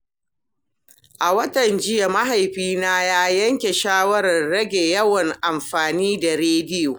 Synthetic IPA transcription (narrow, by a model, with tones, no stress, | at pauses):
ʔa˨wɐ˦tɐ˨nd͡ʒɪ˦ja˨ma˦ɦa˨jɸiː˦naː˦jaː˦jɐ˦ŋkʲe˨ʃaː˦wɐ˦ɾɐ˨rɽɐ˦ɡʲe˨jɐ˦wɐ˨ŋʔa˨mɸaː˨niː˦da˨ɾeː˦dɪ˦joː˨